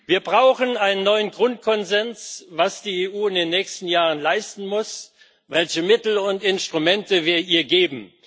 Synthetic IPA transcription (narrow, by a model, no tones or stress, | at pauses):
viːɐbʁaʊxənaɪnənːɔʏənɡʁʊnt̚kʰɔnzɛnsvasd̥iːeːʔuːɪndeːnːɛːçstn̩jaːʁ̞ənlaɪstn̩mʊs | vɛlçəmɪtl̩ʊntɪnstʁ̥umɛntəviːɐʔiːɐɡeːbm̩